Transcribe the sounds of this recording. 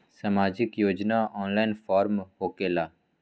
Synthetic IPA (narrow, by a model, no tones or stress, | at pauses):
samaːd͡ʒɪkjoːd͡ʒnaːɔːnlaːɪnfʰaːɾmhoːkeːlaː